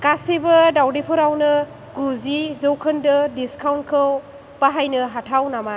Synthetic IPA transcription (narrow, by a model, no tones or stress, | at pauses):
kasebɐdawdepʰɔɾawnɯ | ɡuzizɯwkʰɯndɯdiskʰawntkʰɯw | paɦajnɯɦatʰawnama